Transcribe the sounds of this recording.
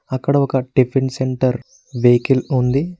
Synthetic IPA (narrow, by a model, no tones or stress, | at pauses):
ɐkːɐɽɐɔkɐɖipʰeɳseɳʈɐɾ | ʋeːkilund̪i